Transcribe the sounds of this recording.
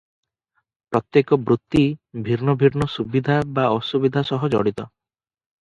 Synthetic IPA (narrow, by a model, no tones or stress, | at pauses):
pɾɔt̪jekɔbɾut̪ːibʱiɾnɔbʱiɾnɔsubid̪ʱabaɔsubid̪ʱasɔɦɔd͡ʒɔ̰ɽit̪ɔ